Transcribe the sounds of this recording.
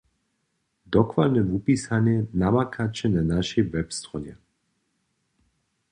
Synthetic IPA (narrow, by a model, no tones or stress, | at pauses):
d̪ɔkvalnɛvupisanjɛnamakʰat͡ʃɛnanaʃɛjvɛpst̪ʁɔjɛ̰